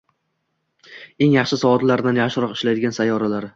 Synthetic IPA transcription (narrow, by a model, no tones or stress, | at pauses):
e̞ŋjɑχʃɪsɒvɒt̪laɾd̪anjaχʃɪɾɒqɪ̥ʃlajd̪ɪɡʲansajːɒɾalaɾɪ